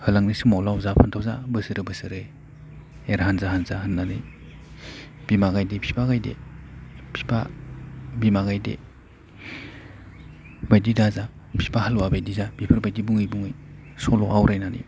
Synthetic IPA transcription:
hɯlaŋnisɯmawlawzapʰantʰawza̰bɯsɯɾɯbɯsɯɾɯj | eɾɦanzaɦanzahɯnːanɯj | b̥imaɡajdepʰi̥pʰaɡajdḛ | pʰi̥pʰa̰ | bimaɡajdḛ | bajdidaza | pʰi̥pʰahaluwabajdizab̥ipʰɯɾbajdibuŋɯjbuŋɯj | sɔlɔʔawɾajnanḭ

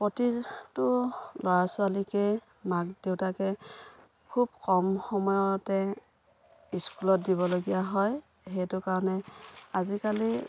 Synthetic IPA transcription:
pɹɔtitʊlɔɹasʊalikɛ | mak̚dewtakɛ | kʰub̚kɔmxɔmɔjɔtɛ | iskulɔt̚diβɔloɡijaɦɔj | ɦɛjtʊkaɹɔnɛazikali

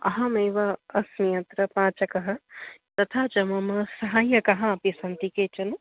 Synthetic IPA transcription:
ɐ̰ɦɐmeːʋɐɐsmijɐnt̪ɾɐpãːt͡ʃɐkɐɦɐ̆t̪ɐt̪ʰaːt͡ʃɐmɐmɐsɐɦaːjɐkɐɦɐ̃ɐpisɐnt̪ikeːt͡ʃɐn

